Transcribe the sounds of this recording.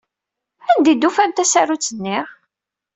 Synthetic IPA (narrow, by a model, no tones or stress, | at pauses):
ænd̪id̪ufænt̪æsaɾut͡sːənːɪʁ